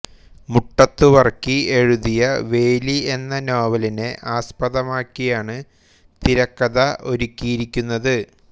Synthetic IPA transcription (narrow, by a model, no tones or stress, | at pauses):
muʈːɐt̪ːuʋɐrkːie̞ɻuðijɐʋe̞ːlie̞nːɐnoːʋɐline̞ʔaːspɐðɐmaːkːijaːɳɨ | t̪iɾɐkːɐðɐʔo̞ɾukʲːijiɾikʲːunːɐðɨ